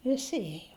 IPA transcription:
ʋʲɪˈsʲɪ ˈeːjoː

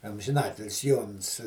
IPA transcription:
ɐmʲʒʲɪnˈɑːtʲɪlʲɪs ˈjoːns

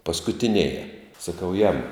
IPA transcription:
pɐskʊtʲɪˈnʲeːjɛ sɐˈkɐʊ jɛmʊ

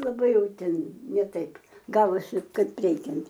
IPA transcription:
lˠɐˈbɐɪ ˈjɛʊ ˈtʲɛn nʲɛ ˈtɐɪp ˈɡɑːʋoːsʲɪ ˈkɐɪp ˈrʲɛɪkʲɛnt

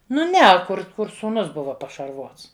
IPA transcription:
ˈnʊ ˈnʲɛ kʊr ˈkʊr suːˈnʊs ˈbʊʋɐ pɐʃɐrˈʋoːts

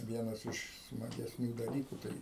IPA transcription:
ˈʋʲiɛnɐs ɪʃ smɐɡʲɛsʲˈnʲuː dɐˈlʲiːkuː ˈtɐɪ

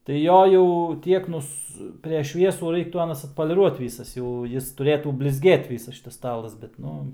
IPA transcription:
tɐɪ ˈjoː jɛʊ ˈtʲiɛk nʊs pʲrʲɛʃ ˈʃʲʋʲiɛsuː ˈrɐɪktuː ˈɑːnɐs ɐtpoːlʲɪˈruɔt ˈʋʲiːsɐs jɛʊ ˈjɪs tʊˈrʲeːtuː bʲlʲɪzʲˈɡʲeːt ˈʋʲiːsɐs ˈʃʲɪtɐs ˈstɑːlˠɐs bʲɛt ˈnʊ

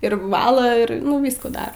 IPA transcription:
ɪr ʋɐˈlˠɐ ɪr nʊ ˈʋʲiːskuː ˈdɐr

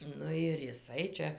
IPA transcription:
ˈnʊ ɪr jɪˈsɐɪ t͡ʃʲɛ

